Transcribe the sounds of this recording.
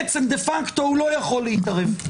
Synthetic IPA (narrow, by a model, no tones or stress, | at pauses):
ɛt͡sɛmd̪efakt̪ohulojaχoleit̪aʁɛv